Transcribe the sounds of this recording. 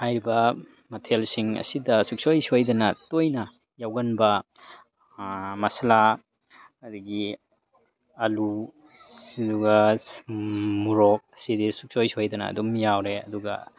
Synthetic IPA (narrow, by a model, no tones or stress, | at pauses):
hajɾibɐ | mɐtʰelsiŋɐ̰sidɐsuk̚sojsojdɐnɐtojnɐ | jawɡɐnbɐ | mɐsɐla | ɐdɐɡi | ɐlu | siduɡɐ | muɾok̚ɐsidisuk̚sojsiojdɐnɐ̰ːdumjawɾeɐ̰duɡɐ̰